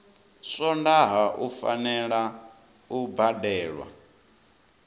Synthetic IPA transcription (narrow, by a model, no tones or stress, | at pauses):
sɔndaɦaʔufa̰nɛɺa | ubadɛːɺwa̰